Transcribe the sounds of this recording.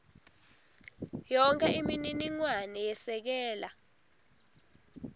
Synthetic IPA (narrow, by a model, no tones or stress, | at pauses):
jɔŋkʼɛʔimininiŋwanɛjɛsɛk̬ɛːla